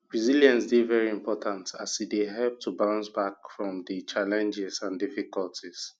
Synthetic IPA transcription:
b̥ɹiziljãnsdevɛɹiĩmpʰɔtʰãntasideɦɛlp̚tʰubãnsbakfɹɔ̃mdət͡ʃalɛ̃nd͡ʒɛsãndifikɔltis

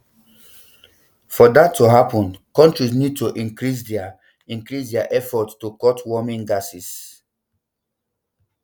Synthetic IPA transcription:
fɔdatːuɦapɔ̃nkɔ̃ntɹis̬nid̚toʔĩŋkɹis̬dɛa | ĩŋkɹisdɛaʔɛfɔtstukɔtwɔmĩnɡasis

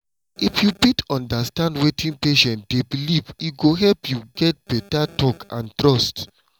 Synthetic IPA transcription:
ifjubitɔ̃ndastãndwetʰĩnpeʃɛ̃nt̚debiliviɡoɦɛlpjuɡɛt̚b̥ɛtatɔkã̰ntɹɔst

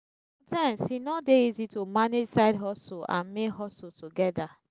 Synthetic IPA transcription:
sɔ̃mtãɪ̃msinɔdeizitomaned͡ʒsaɪdɦɔsuã̰nmekɦɔsutuɡɛda

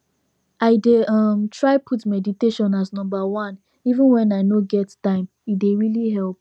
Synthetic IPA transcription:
aɪdeʌmtʰɹaɪpʰutmɛditeʃɔ̃naznʌ̃mbawɔ̃n | ivə̃nwɛ̃naɪnoɡɛttãɪ̃m | ideɹiliɦɛlˠp̚

